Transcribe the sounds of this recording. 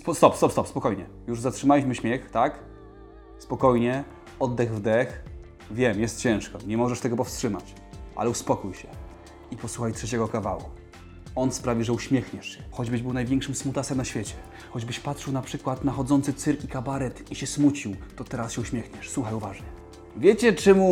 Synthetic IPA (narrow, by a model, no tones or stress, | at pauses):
spɔst̪ɔpst̪ɔpst̪ɔpspɔkɔjɲɛ | juʐzatʂɘmalʲiɕmɘɕmʲjɛxt̪ak | spɔkɔjɲɛ | ɔd̪ːɛɣvd̪ɛx | vʲjɛmjɛst̪t͡ɕɛ̃w̃ʂkɔɲɛmɔʐɛʂt̪ɛɡɔpɔfstʂɘmat͡ɕ | ʔa̰lɛuspɔkujɕɛ | ipɔsuxajtʂɛt͡ɕɛɡɔkavawṵ | ɔnspɾavʲiʐɛuɕmʲjɛxɲɛʂɕɛxɔd͡ʑbɘʑbɘwnajvʲjɛ̃ŋkʂɘmsmut̪asɛmnaɕfʲjet͡ɕɛ | xɔd͡ʑbɘɕpatʂɘwnapʂɘkwat̪naxɔd̪zɔnt̪sɘt̪sɘɾkikabaɾɛt̪iɕɛsmut͡ɕiwt̪ɔt̪ɛɾasɕɛuɕmʲjɛxɲɛʂswuxajuvaʐɲɛ | vʲjɛt͡ɕɛt͡ʂɛmu